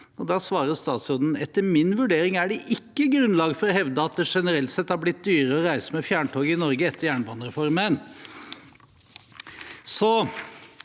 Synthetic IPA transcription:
ɔd̪ɑːsʋɑːɾəst̪ɑːt̪sɾoːd̪n̩ɛt̪ːəɾmɪnʋʉɖeːɾɪŋæɖɛʔɪkːəɡɾʉnlɑːɡfɔɾɔɦɛʋd̪əɑt̪̚d̪ɛʂɛnəɾɛlt̪sɛt̪ːhɑɾblɪt̪̚d̪yːɾəɔɾæɪsəmɛfjæːɳʈʰoːɡəɪnɔɾɡəɛt̪ʰːəɾjæːɳəbɑːnəɾɛfɔɾmən | sɔ

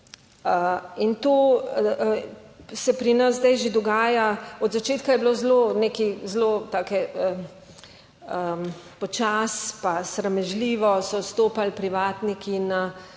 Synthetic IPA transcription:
əint̪oː | sɛpɾinɐzzd̪ɛjʒed̪ɔɡaːjaɔd̪zat͡ʃeːt̪̚kajɛbloːzloneːkizloːt̪aːkɛə | əpɔt͡ʃaːspasɾɛmɛʒliːʋɔsɔst̪oːpalpɾiʋaːt̪nikina

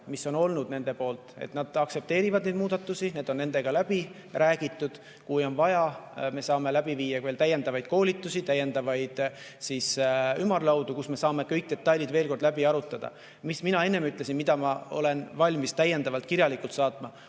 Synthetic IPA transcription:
misːo̞no̞lnud̪ne̞nd̪e̞po̞ːlt̪ˑḛt̪nɑd̪̥ɑkse̞p̚t̪e̞ːɾivɑd̪ned̪muːd̪̥ɑt̪ːˑusine̞ːd̪̥o̞nːe̞nd̪̥e̞ɡ̥ɑlæb̥i | ræːɡ̥it̪ːˑud̪̥ | kujo̞nvɑjɑme̞sɑːme̞læbiviːjːɑve̞ːlt̪æjːe̞nd̪ɑvɑjd̪̥ko̞ːlʲit̪ːˑusit̪æjːe̞nd̪̥ɑvɑjd̪̥ | sisymːɑrlɑwd̪ukusme̞sɑːme̞kɤ̞jk̚d̪e̞t̪ːɑjlid̪ve̞ːlko̞rd̪læbiɑɾut̪ːˑɑd̪̥ɑ̰ | misminɑe̞nːe̞myt̪ːˑlesinmid̪̥ɑmɑo̞̰le̞nvɑlʲmist̪æjːend̪ɑvɑlt̪kiɾjɑlikult̪sɑːt̪ˑmɑ

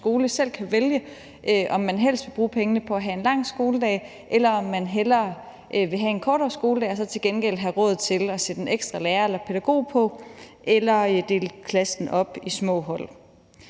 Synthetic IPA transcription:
sɡ̥o̝ːləsel̰kʰæʋeljə | ʔøʔɒ̽mːænɦel̰sd̥ʋe̝b̥ʁuːpʰeŋənəpʰɒ̽æɦæe̝nlɑ̈ŋ̰sɡ̥o̝ːləd̥ɛ̰ː | ʔelɐɒ̽mːænɦelɐ | ʔʋe̝ɦæe̝nkʰɒːɾɒːsɡ̥o̝ːlədɛ̰ːɒsɒ̽t͡sʰe̝lɡ̥enɡ̥el̰ɦæʁɔ̽ð̩ˠt͡sʰe̝lɒsed̥e̝neɡ̥sd̥ʁɑ̈leːɐelɐpʰe̝d̥æɡ̥o̝̰ːpʰɒ̽ʔelɐd̥e̝ːlkʰlæsn̩ʔɒ̽b̥ismɔ̰̽ːɦɒ̽l̰

